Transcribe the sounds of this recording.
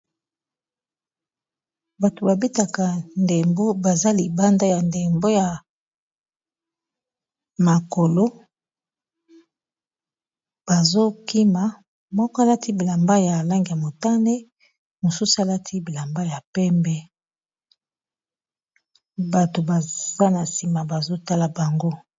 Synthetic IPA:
ba˨to˨ba˨bi˦ta˨ka˨nde˨mbo˦ba˨za˦li˨ba˦nda˦ja˨nde˨mbo˦ja˨ | ma˨ko˨lo˦ | b̥a˨zo˦ki˦ma˨ | mɔ˦kɔ˦a˦la˦tʰi˦bi˨la˨mba˦ja˨la˦ŋɡi˨ja˨mo˨ta˦ne˦ | mo˨su˦su˨˦a˨la˦tʰi˦bi˨la˨mba˦ja˨pɛ˦mbɛ˦ | ba˨to˨ba˨za˦na˨si˨ma˨ba˨zo˦ta˦la˨ba˨ŋɡo˦

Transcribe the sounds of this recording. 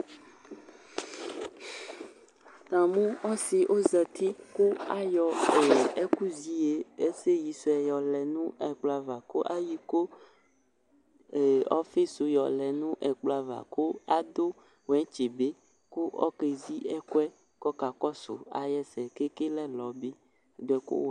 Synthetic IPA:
t̪ã˨mũ˦ɔ˦si˨ʔo˦zɛ˨t̪i˦ku˦a˦jɔ˨e˨e˦ku˦zi˦je˨e˦se˦ji˨so˨ɛ˨jɔ˨lɛ˨nũ˦ɛ˨k͡pla˨va˨ko˦ʔa˦ji˦ko˦ | e˨ɔ̰˦fe˦so˨jɔ˨lɛ˨nũ˦ʔɛ˨k͡plo˨a˨va̰˨ko˦a˨d̪o˦ | wɛ˦t͡ʃe˨be˦ | ku˦ʔɔ̰˦ke˨zi˦ɛ˦kɛ˦ | kɔ˦ka˨kɔ˦so̰˨a̰˨jɛ˦sɛ˨ke˦ke˦lɛ˦lɔ˨be˦˨ | d̪o˨ɛ˨ko̰˦w

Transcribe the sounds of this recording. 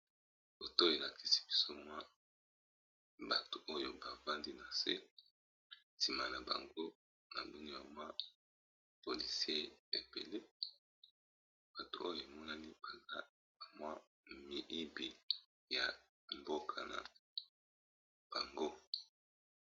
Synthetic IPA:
bo˨to˦e˨la˨kʰi̥˦si̥˦b̥i˦so˦mwa˦ | ba˨to˨ʔo˦jo˨ba˨va˦ndi˦na˨sḛ˦ | si˨ma˨na˨ba̰˨ŋɡo˦ | na̰˨bu˦ni˦ja˨mwa˦ | po˨li˨si˦e˦e˨be˨le˦ | b̥a˨to˨o˦jo˨e˨mɔ˦na˦ni˦ba˨za˦ | a˨mwa˦ | mi˨ʔi˦bi˨ | ja̰˨ | mbo˦kʰa˨na̰˨ | b̥a˨ŋɡo˦

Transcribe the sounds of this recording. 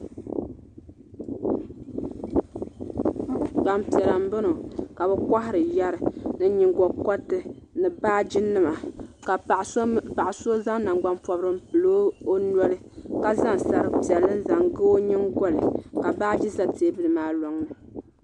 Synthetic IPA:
ɡ͡ba˨mpi˨ɛ˨ɾa˨m˦bɨ˦no˨ka˨bɨ˦ka˦hɪ˦ɾɨ˨ja˦ɾɨ˨nɨ˦ɲi˨ŋɡɔ˨kɔ˦tːɨ˦nɨ˨baː˦d͡ʒi˦nɨ˦ma˨k | pa˨ʔa˨so˦za˦ŋna˨ŋɡ͡ba˦mpɔ˨bɾɨ˦m̩˦pɨ˨loː˦o˦nɔ˦lɨ˦ | ka˨za˦ŋ˨sa˨ɾɨ˦pi˨ɛ˨lːɨ˦n̩˦za˨ŋɡɨ˦o˦ɲi˦ŋɡɔ˦lɨ˨ka˨baː˦d͡ʒi˦za˦tʰeː˦bɨ˦lɨ˨maː˦lɔ˨ŋnɨ˨

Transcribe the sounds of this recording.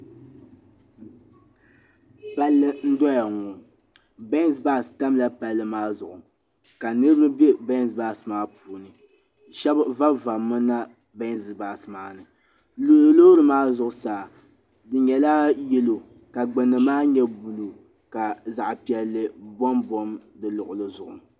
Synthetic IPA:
pa˦lːɨ˦n̩˦dɔ˦ja˨ŋɔ˨ | bɛ˦n˦zba˦˨sta˦mla˦pa˦lːɨ˦maː˦zʊ˨ʔʊ˨ | ka˨nɨ˦ɾbɾɨ˦bjɛ˦bɛ˦n˦zbaː˨smaː˦puː˨nɨ˨ | ʃɛ˦bva˦va˨mːɨ˦na˦ | bɛ˦n˦zbaː˨smaː˦nɨ˨˦ | lo˦ɾɨ˨maː˦zʊ˨ʔʊ˨saː˨ | dɨ˨ɲɛ˨la˦jɛ˦lo˨ | ka˨ɡ͡bɛ˨nɨ˨maː˦ɲɛ˦bu˨lu˨ | ka˨za˨ʔpi˨ɛ˨lːɨ˨bɔ˦mbɔ˦mdɨ˨lʊ˨ʔʊ˨lɨ˦zʊ˨ʔʊ˨

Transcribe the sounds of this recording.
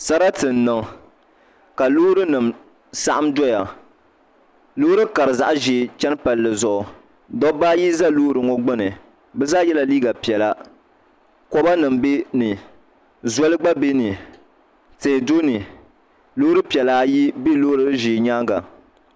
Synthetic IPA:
sa˦ɾa˦tɨ˨n˨nɨ˨ŋ | ka˨loː˦ɾɨ˦nɨ˨m | sa˦ʔa˦mdɔ˦ja˨ | loː˦ɾɨ˦ka˨ɾɨ˨za˨ʔʒiː˨t͡ʃɛ˦n˦pa˨lːɨ˨zʊ˨ʔʊ˨ | dɔ˦baː˦ji˦za˦loː˦ɾɨ˨ŋo˦ɡ͡bɨ˦nɨ˨ | bɛ˦zaː˦jɛ˦la˨liː˦ɡa˨pi˨ɛ˨la˦ | kɔ˦ba˦nɨ˨mbe˦nɨ˨ | zɔ˦lɨ˦ɡ͡ba˦be˦nɨ˨ | teː˨do˦nɨ˨ | loː˦ɾɨ˦pi˨ɛ˨laː˦ji˦be˦lo˦ɾɨ˦ɨ˦ʒiː˨ɲaː˦ŋɡa̰˨

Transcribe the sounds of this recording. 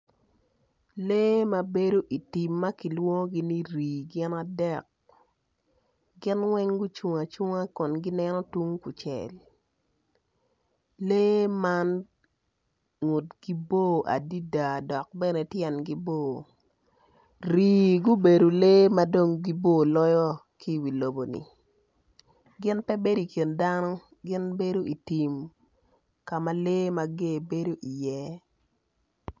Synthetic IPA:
leː˦ma˦be˦do˦ʔi˨ti˨mːa˦ki˨lwo˦ŋ˦ɡi˦ni˦ɾiː˨ɡɪ˦na˨dɛ˦k̚ | ɡɪ˦nwɛ˦ŋɡʊ˦t͡ʃu˨ŋa˨t͡ʃu˦ŋa˦kɔ˨nɡi˦nɛ˦nɔ˦tu˦ŋ˦ku˨t͡ʃɛ̰˨l | leː˦ma˦n | ŋu˨tɡ̥i˦bo˦ʔa̰˨di˦da˨dɔ˨k̚bɛ˦nɛ˨tjɛ˨nɡi˦bo˦˨ | ɾiː˨ɡʊ˦be˨do˨le˦ma˦do˦ŋɡi˦bo˦˨lɔ˦jɔ˦ | ki˦˨wi˨lo˨bo˨nḭ˨ | ɡɪ˦npɛ˦be˦di˨kje˨nda˦nɔ˦ | ɡɪ˦nbe˦do˦i˨ti˨m | ka˨ma˦le˦ma˦ɡe˦˨be˦do˦ʔi˨jɛ˦

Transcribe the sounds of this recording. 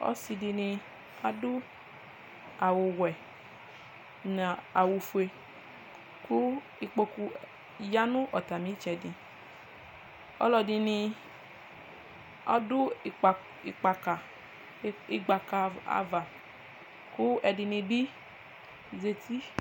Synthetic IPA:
ɔ̰˦si˧di˧nĩ˧ | a˦dʊ˦ | a˨wʊ˨wɛ˨ | na˨a˨wu˨fu˨e˧ | kʊ˦ | i˨k͡po˧ku˧ | ja˦nʊ̃˦ʔɔ˨ta˨mi˨˦t͡ʃɛ˨di˨ | ɔ̰˦lɔ˧dɪ˧ni˧ | ɔ˦dʊ˦˨ | i˨k͡pa˨ka˨ | i˦ɡ͡ba˨ka˨a̰˨va˨ | kʊ˦ɛ˨dɪ˧nĩ˧bi˦ | ze˧ti˦

